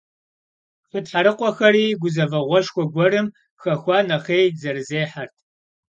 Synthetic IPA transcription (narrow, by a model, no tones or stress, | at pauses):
χətħaɾɨqʷʼɔxɐɾiːɡʷʊzɐvɐʁʷɔʃxʷɔɡʷɔɾɨm | xɐxʷɑːnɐχejzɐrɨzeːħartʰ